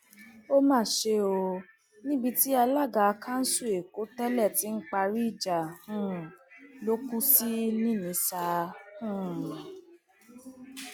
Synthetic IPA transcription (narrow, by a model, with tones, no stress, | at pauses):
o˦mãː˦˨ʃe˧˦o˧ | nĩ˦bi˧ti˦a˧la˦˨ɡa˧kʰã˦n̩˦su˦˨e˨ko˨˦tɛ˦lɛ˦˨ti˦n̩˦k͡pa˧ɾi˦i˦˨d͡ʒa˨hũ˦˨lo˦kũ˦si˦nĩ˦˨nĩ˨˦sa˧hũ˦˨